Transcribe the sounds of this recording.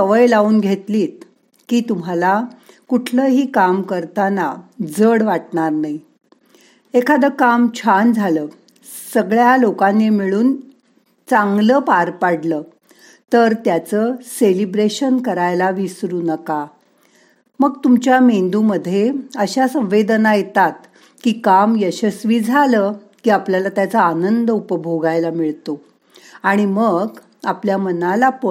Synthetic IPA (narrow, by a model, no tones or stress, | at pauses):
əʋəjlauːnɡʱet̪liːt̪̚ | kiːt̪um̤ala | kuʈʰləːɦiːkamkəɾt̪anad͡zəɽʋaʈɳaɾnai | ekʰad̪əkamt͡ɕʰand͡zʱaləː | səɡɭjalokanːemiɭuːn | t͡saŋɡləːpaɾpaɽləː | t̪əɾt̪jat͡səːselibɾeɕənkəɾajlaʋisɾuːnəka | məɡt̪umt͡ɕjamend̪uməd̪ʱːjeəɕasə̃m̃ʋed̪najet̪at̪ | kiːkamjəɕəsʋiːd͡zʱaləː | kiːapljalat̪jat͡səanənd̪əupəbʱoɡajlamiɭt̪o | aɽ̃iməɡ | apljamənalapə